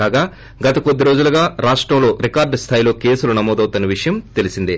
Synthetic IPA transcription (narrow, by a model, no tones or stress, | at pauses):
aːɡaː | ɡɐt̪ɐkod̪ːiɾo̞ːd͡ʒuluɡaːɾaːʂʈɾɐmlo̞ːɾikaːɾɖst̪ʰaːjilo̞ːke̞ːsulunɐmɔːd̪ɐwt̪unːɐʋiʂɐjɐmt̪e̞lisind̪i